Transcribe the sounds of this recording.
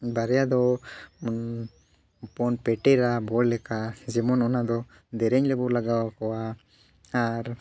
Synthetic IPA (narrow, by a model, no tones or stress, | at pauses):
baɾɛjad̪ɔ | pɔnpɛʈɛɾabɔllɛkad͡ʒɛmɔnɔnad̪ɔ | d̪ɛɾɛɲlɛbɔɾlaɡawakɔwa | aɾ